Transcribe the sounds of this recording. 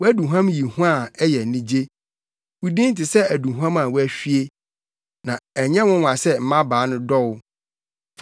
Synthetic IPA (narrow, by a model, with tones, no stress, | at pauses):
wɔ˦æ˦du˨ɦã˦mji˨hũ˦a˦˨ɛ˦jɛ˨nĩ˦d͡ʑe˦ | wu˨dĩ˦n̩˦tɪ˨sɛ˦æ˨dũ˨ɦu˦ã˦mã˨wɔ˦æ˦ɕᶣi˦e˦ | nã˨æ˨ɲɛ̃˦wʊ̃˦wã˨sɛ˦m̩˨mã˦baː˨˦nʊ̃˦dɔ˦wʊ˦